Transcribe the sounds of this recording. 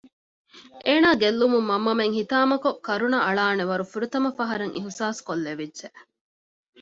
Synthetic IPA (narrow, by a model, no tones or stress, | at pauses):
ʔeːnaːɡelːumumːɐmːɐmeŋhit̪aːmɐkokːɐɾunɐɐɭaːneʋɐɾufuɾut̪ɐmɐfɐɦɐɾɐŋʔiɦusaːskolːeʋidːʒ̥eʔ